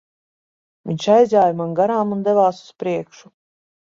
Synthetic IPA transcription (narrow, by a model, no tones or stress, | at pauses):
viɲʃajzʲaːjmanɡaɾaːmund̪ɛvaːsu̥spɾiɛkʃu̥